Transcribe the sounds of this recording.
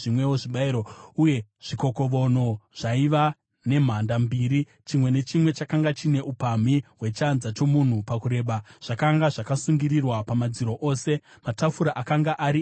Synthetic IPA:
ʐimwe̞woʐiɓaiɾouje̞ʐ̥iko̞ko̞ʋo̞no̞ʐ̥aiʋa | ne̞m̤andambiːɾi | t͡ʃimwe̞ne̞t͡ʃimwe̞t͡ʃakaŋɡat͡ʃine̞ʔupam̤iwe̞t͡ʃanzat͡ʃo̞mun̤upakuɾe̞ːɓaʐ̥akaŋɡaʐakasuŋɡiɾirwapamad͡ziɾo̞ʔo̞ːse̞ | matafuɾaʔakaŋɡaʔaɾi

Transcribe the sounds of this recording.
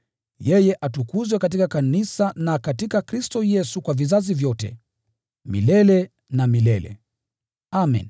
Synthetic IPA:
jɛjɛʔatukuzwɛkat̬ikakanisanakatikakɾistɔjɛsukwavizazivjɔtɛ̰ | mḭlɛlɛ | namilɛlɛ̰ | amḭn

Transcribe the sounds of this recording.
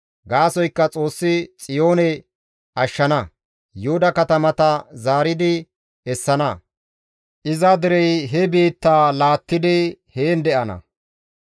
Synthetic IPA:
ɡaːsɔjkːɐt͡sʼo̞ːsːɪt͡sʼɪjoːnɛ | ʔɐʃːɐnɐ | jʊhʊd̪ɐkɐt̪ɐmɐt̪ɐzaːɾɪd̪ɪ | ɛsːɐnɐ | ʔɪzɐd̪ɪɾɛjɦɛbiːt̪ːaːlaːt̪ːɪd̪ɪheːnd̪ɛʔɐnɐ̰

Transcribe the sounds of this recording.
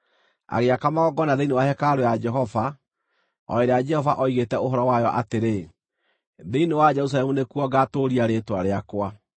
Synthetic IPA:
a̰ɣeakamaɣɔɡɔnaðeinewahɛkaɾojad͡ʒɛɦɔva | ɔ̰eɾead͡ʒɛhɔvaʔɔiɣetɛoɦɔɾɔwajɔʔateɾe | ðeinewad͡ʒɛɾus̬alɛmunekuɔɡatoɾiaɾetwaɾeakwa

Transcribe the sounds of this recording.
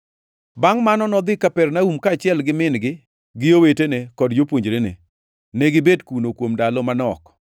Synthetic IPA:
baŋmanɔnɔd̪ɪkapɛrnaumkaːt͡ʃɪɛlɡɪmɪnɡɪ | ɡɪjowetenekɔdd͡ʒopwoɲd͡ʒɾenḛ | neɡɪbedkunokwomdalɔmanɔk

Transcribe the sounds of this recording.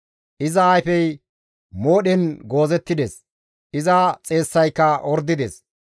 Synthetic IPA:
ʔɪzɐːjfɛj | mo̞ːɗɛnɡo̞ːzɛt̪ːɪd̪eːs | ʔɪzɐt͡sʼe̞ːsːɐjkːɐʔɔɾd̪ːɪd̪eːs

